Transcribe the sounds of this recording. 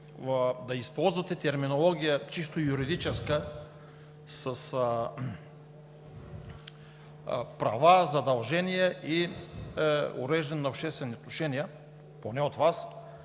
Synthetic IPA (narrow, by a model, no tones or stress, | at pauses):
d̪ɐispɔlˠzvɐt̪ɛt̪ɛɾminolˠɔɡʲijət͡ʃist̪ojuɾid̪it͡ʃɛskə | sɐs | pɾɐvazɐd̪ɐlˠʒɛnijɛʔi | ʊ̰ɾɛʒd̪ɛnːɐopʃt̪ɛst̪vɛniot̪noʃɛniə | ponɛot̪vas